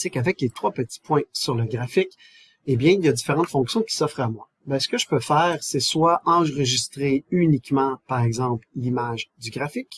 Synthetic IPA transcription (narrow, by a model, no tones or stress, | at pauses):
sekavɛklet̪χwapət̪i̥pwɛ̃syʁləɡʁafɪk | ebjɛ̃ljad̪ifeʁɑ̃t̪fɔ̃ksjɔ̃kʲi̥sɔfʁamwa | bɛ̃sə̥kəʒə̥pøfɛːʁseswaʔɑ̃ʁəʒist̪ʁeynikmɑ̃paʁɛɡzɑ̃pllimaʒd̪yɡʁafɪk